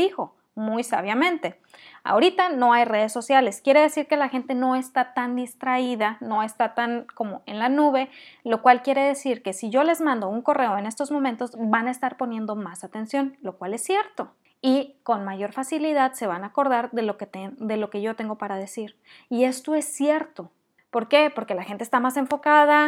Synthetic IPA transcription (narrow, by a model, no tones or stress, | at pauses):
ixo̞ | mujsa̰βjamẽnt̪e̞ | a̰o̞ɾit̪ano̞ajre̞ð̞e̞sːo̞sjale̞skje̞ɾe̞ð̞e̞siɾke̞laxe̞nt̪e̞no̞e̞st̪at̪and̪ist̪ɾaiðano̞e̞st̪at̪anko̞mo̞ʔe̞nlanuβe̞lo̞kwalkje̞ɾe̞ð̞e̞siɾke̞siʝo̞le̞zmãnd̪o̞uŋko̞re̞oe̞ne̞st̪o̞zmo̞mẽnt̪o̞zbanaest̪aɾpo̞njẽ̞nd̪o̞masat̪e̞nsjo̞nlo̞kwale̞sːje̞ɾt̪o̞ | iko̞nmaʝo̞ɾfasiliðaðse̞βanako̞ɾðaɾðe̞loket̪ed̪e̞lo̞ke̞ʝo̞t̪e̞ŋɡo̞paɾað̞e̞siɾ | ie̞st̪o̞e̞sːje̞ɾt̪o̞ | po̞ɾke̞po̞ɾke̞laxe̞nt̪est̪amase̞ɱfo̞kaða